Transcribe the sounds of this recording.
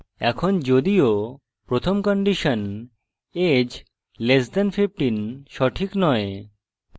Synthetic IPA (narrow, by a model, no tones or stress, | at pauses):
ɛ̰kʰond͡ʑod̪io | pɾot̪ʰomkɔɳɖiʃon | ed͡ʑ | lesd̪ɛnpʰipʈinʃɔʈʰiknɔe